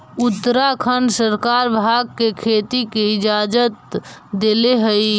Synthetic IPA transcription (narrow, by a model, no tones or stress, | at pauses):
ʊt̪ːəɾakʰənsəɾkaɾbʱaːɡ̚kekʰeːt̪ikeɪd͡ʒaːd͡ʒət̪d̪eleɦəi